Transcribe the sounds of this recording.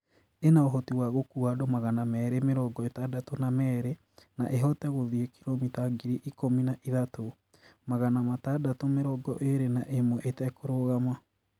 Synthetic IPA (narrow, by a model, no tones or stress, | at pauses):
enaoɦɔtiwaɣokuadɔmaɣanamɛːɾemeɾɔɡɔetadatonamɛːɾe | na̰ʔeɦɔtɛɣoðiekiɾomitaɡiɾiʔikominaʔiðato | maɣanamatadatomeɾɔɡɔ̰ʔeɾenaʔemwɔʔetɛkoɾoɣama